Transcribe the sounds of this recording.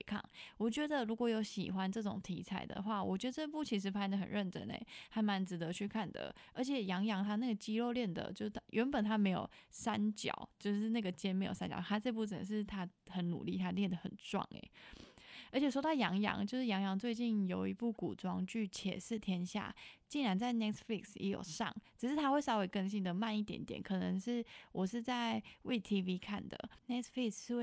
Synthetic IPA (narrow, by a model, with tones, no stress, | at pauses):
kʰɑ̰˥˩ŋwɔ˨˩t͡ɕɥɛ˧˥d̪ə˨ɻu˧˥kwɔ˨˩jo˧˥ʊɕḭ˨˩xwa˦nʈ͡ʂɤ˥˩ʈ͡ʂʊ̰˨˩ŋt̪ʰḭ˧˥t͡sʰa˨˩ɪd̪ə̰˩xwa˥˩wɔ˨˩t͡ɕɥɛ˧˥d̪ə˧t͡sɤ˥˧pu˥˩t͡ɕʰi˧˥ʂ̬ɻ̩˧˥pʰa˥nd̪ə˨˩xə˨˩nɻə˥˩nʈ͡ʂə̰˧˥nḛ˧˩ɪa˧˥ɪma˧˥nt͡sɻ̩˧˥d̪ə˧t͡ɕʰy˥˧kʰa˥˩nd̪ə̰˩ə˞˧˥t͡ɕʰjɛ˨˩jɑ˧˥ŋjɑ˧˥ŋt̪ʰa˥na˥˩ɡə˩t͡ɕi˥lo˥˧ʊljɛ˥˩nd̪ə̰˩t͡ɕjo˥˧ʊ˥ɥʔɛ˧˥npə˨˩nt̪ʰa˥me˧˥ɪjo̰˨˩ʊsa˦nt͡ɕjɑ̰˨˩˦ʊt͡ɕjo˥˧ʊʂɻ̩˥˧na˥˩ɡə˩t͡ɕjɛ˥nm˧˥ɪjo̰˨˩a˦nt͡ɕjɑ̰˨˩t̪ʰa˥t͡sɤ˥˧p̬u˥˩t͡sə˨˩nə˨˩ʂɻ̩˥˩t̪ʰa˦˥xə˨˥˦nnṵ˨˩li˥˩t̪ʰa˥ljɛ˥˩nd̪ə˩xə̰˨˩nt͡swɑ̰˥˩ŋḛ˩˦ | ə˧˥t͡ɕʰɛ˨˩ʂ̬wɔ˥t̪ɑ˥˩ʊjɑ˧˥ŋjɑ̰˧˥ŋt͡ɕjo˥˧ʊʂɻ̩˥˩jɑ˧˥ŋjɑ˧˥ŋt͡swe˥˧ɪt͡ɕi˥˩njo˨˩ʊi˧˥pu˥˩ku˨˩ʈ͡ʂwɑ˥ŋt͡ɕy˥˩t͡ɕʰjɛ̰˨˩s̩˥˩t̪ʰjɛ˥nɕja̰˥˩t͡ɕi˥˩nɻa˧˥nt͡sa˥˩ɪnɛ˥t̪ʰfli˥˩ksjɛ̰˧˥jo̰˨˩ʊʂɑ̰˥˩ŋʈ͡ʂɻ̩˨˩ʂɻ̩˥t̪ʰa˥xwe˥˩ɪsɑ˥we˧˥ɪkə˥˧ŋɕi˥nd̪ə˨ma˥˧ni˥˩t̪jɛ̰˧˦˥nt̪jɛ̰˨˩˦nkʰɤ˨˩nə˧˦ŋʂɻ̩˥˩wʔɔ˨˩ʂɻ̩˥˧t͡sa˥˩ɪwʔe˥˩ɪt̪ʰi˦˥vi˥kʰa˥˩nd̪ə̰˩nɛ˥t̪fli˥˩ksʂɻ̩˥˧we˥˩